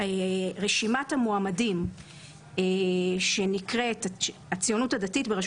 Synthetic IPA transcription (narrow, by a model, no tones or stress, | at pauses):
eʁeʃimathamoamadim | eʃe̞nikʁe̞tat͡sijo̞nutadatitbeʁaʃ